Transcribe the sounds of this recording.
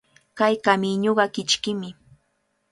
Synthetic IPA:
kajkamɪɲoɢɑkɪt͡ʃkɪmɪ

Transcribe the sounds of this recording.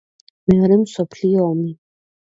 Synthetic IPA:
meɾɪmsɔpʰliɔmi

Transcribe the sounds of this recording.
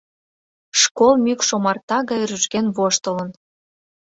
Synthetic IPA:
ʃkolmykʃomɑrt̪ɑɣɑjrəʃkenβoʃt̪ə̆lən

